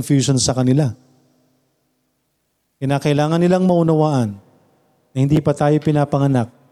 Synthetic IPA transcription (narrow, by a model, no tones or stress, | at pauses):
nfjuːʃonsɐkɐnɪla | kɪnaːkɐʔɪlaːŋɐnːɪlaŋmɐʔʊnɐwaːʔɐnː | ɐhɪnd̪iːpɐt̪aːjo̞pɪnaːpɐŋɐnak̚